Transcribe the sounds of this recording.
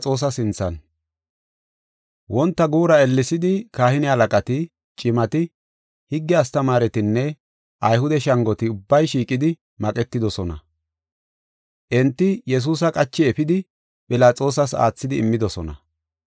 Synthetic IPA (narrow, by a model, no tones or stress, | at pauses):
t͡sʼo̞ːs̬ɐsɪnt͡sːɐn | wɔnt̪ːɐɡuːɾɐɛlːɪsɪd̪ɪkaːhɪnɪhɐlɐkʼɐt̪ɪ | t͡ʃʼɪmɐt̪ɪ | hɪɡːɛɐst̪ɐmaːɾɛt̪ɪnːɛ | ʔɐjhʊd̪ɛʃɐŋɡɔt̪ɪʊbːɐjʃiːkʼɪd̪ɪ | mɐkʼɛt̪ːɪd̪ɔsɔnɐ̰ | ʔɛnt̪ːɪjɛs̬uːs̬ɐkʼɐt͡ʃːɪɛfɪd̪ɪ | pʼɪlaːt͡sʼo̞ːs̬ɐsa̰ːt͡sːɪd̪ɪːmːɪd̪ɔsɔnɐ̰